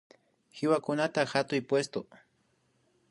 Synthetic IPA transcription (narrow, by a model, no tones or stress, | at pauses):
xɪwakʊnat̪axat̪ʊjpwest̪o